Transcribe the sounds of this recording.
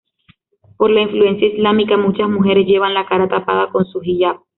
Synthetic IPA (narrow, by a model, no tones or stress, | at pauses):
po̞ɾlaiɱflue̞nsjaizlamikamut͡ʃasmuɦe̞ɾesʝe̞βanlakaɾat̪apa̰ðako̞nsuhiʝap